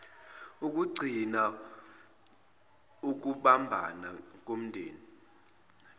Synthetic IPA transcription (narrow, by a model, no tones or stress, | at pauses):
uk̬ʼuɡ͡ǀʱina | uk̬uɓambʱa̰nak̬ʼom̩ndʱḛːni